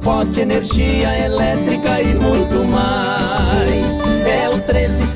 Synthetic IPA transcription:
fɔɾt͡ʃɪeneɾʒiɐelɛt̪ɾikɐɪbuɾkʊma | jsɛʊt̪ɾezɪ

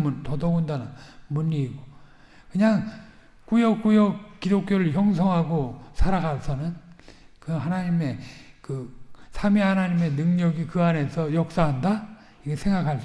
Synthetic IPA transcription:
muntʌdʌɡundanɯnmuɲiːɡo | kɯɲaŋ | kujʌk͈ujʌkk͈idok̚k͈joɾɯɭçjʌŋsʰʌŋɦaɡosʰaɾaɡasʰʌnɯn | kɯɦanaɲime̞kɯsʰamihanaɲime̞nɯŋɲʌɡikɯane̞sʰʌjʌk̚s͈aɦanda | ikesʰe̞ŋɡakʰaɭs

